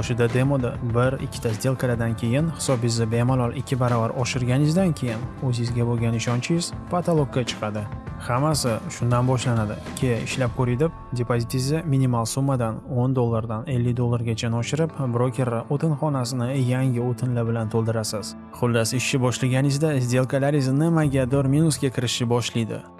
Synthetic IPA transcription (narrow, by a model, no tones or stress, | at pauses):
ɒʃɪd̪ad̪e̞mod̪ɪbɪɾɪ̰kʲʰːɪ̥t̪ʰasd̪e̞lˠqʰɨlad̪ankʲʰe̞jɪnhɪ̥sɒbɪzɪbe̞malˠɒlˠɪkʲʰːɪbaɾɒvaɾɒʃɪɾɡʲanɪzd̪ankʲʰe̞jɪnɵzɪzɡʲaboɡʲanɪʃɒnt͡ʃʰɪɪz̥pʰat̪ʰolˠok̚kːat͡ʃʰɨ̥qʰɑd̪ɪhamasɪʃʊnd̪anbɒʃlanad̪ɪ̰kʲʰeɪʃlap̚kʰɵɾɪd̪ɪp̚d̪ʲepʰozʲit̪ʰizɪminimalˠsumːad̪anond̪olˠːaɾd̪ane̞lːɪkʲd̪olˠːaɾɡʲat͡ʃʰanɒʃɪɾɪpbɾokʲe̞ɾaʔot̪ʰɪnχɒnasɪnɪjaŋɡʲɪot̪ʰɪnlabɪlant̪ʰolˠd̪ɪɾasɪz̥ | χʊlːɪsɪʃːɪbɒʃlaɡʲanɪzd̪azd̪e̞lˠkʰalaɾɪznɪmaɡʲad̪ɒɾminusɡʲakʲʰɪɾɪʃɪbɒʃlijd̪ɪ̰